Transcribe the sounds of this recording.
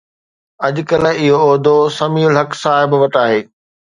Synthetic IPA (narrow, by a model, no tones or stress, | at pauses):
ɐʄkɐlɪɦoːd̪ʱosɐmiːʊlɦɐksaːɦɪbʋɐʈaːɦeː